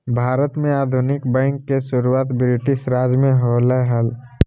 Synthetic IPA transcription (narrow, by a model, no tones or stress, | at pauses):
bʱaːɾət̪mẽaːd̪ʱʊnɪkbɛ̃ːŋkːesʊɾuaːt̪bɾɪʈɪʃɾaːd͡ʒmẽɦoːləɦəl